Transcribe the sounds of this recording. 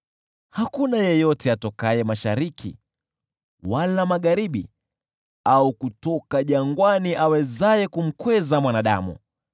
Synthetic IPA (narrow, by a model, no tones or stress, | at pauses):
hakunajɛjɔtɛatɔkajɛmaʃaɾikʰḭ | walamaɠaɾiɓḭ | aukutɔkaʄaŋɡwaniʔawɛzajɛkum̩kwɛzamwanaɗa̰mṵ